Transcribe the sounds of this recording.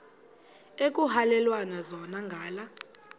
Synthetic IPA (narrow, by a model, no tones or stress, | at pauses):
ek̬ʼuhalɛlwanazɔnaŋɡʱaːla